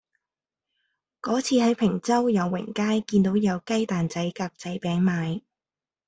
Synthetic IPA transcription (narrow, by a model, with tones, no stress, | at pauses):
kɔː˨˥t͡sʰiː˨˧hɐ˨˥jpʰɪ˨˩ŋt͡sɐ˥wjɐ˨˧wːɪ̰˨˩ŋkaː˥jkiː˧nt̪o˨˥wjɐ˨˧wkɐ˥jt̪aː˨nt͡sɐ˨˥jkaː˧k̚t͡sɐ˨˥jpɛː˨˥ŋmaː˨˧j